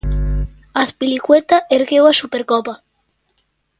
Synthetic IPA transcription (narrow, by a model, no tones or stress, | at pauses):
aspilikwet̪aʔeɾɣewasupeɾkɔpa